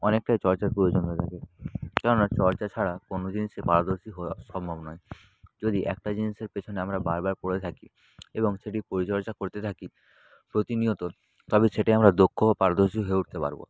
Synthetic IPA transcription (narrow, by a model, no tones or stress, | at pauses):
ɔnek̚ʈajt͡ɕɔɾt͡ɕaɾpɾood͡ʑont̪ot̪ʰakekɛɾonat͡ɕɔɾt͡ɕat͡ɕʰaɽakonod͡ʑiniʃepaɾad̪oɾʃiɦʃɔmbʱabnɔj | d͡ʑod̪iʔɛ̰k̚ʈad͡ʑiniʃeɾpet͡ɕʰoneamɾabaɾbaɾpoɽet̪ʰaki | eboŋʃeʈipoɾit͡ɕɔɾt͡ɕakoɾt̪et̪ʰaki | pɾot̪iniot̪o | t̪ɔbeʃeʈaiamɾad̪okʰːobapaɾad̪oɾʃioɦoeuʈ̚t̪epa̰ɾbo̰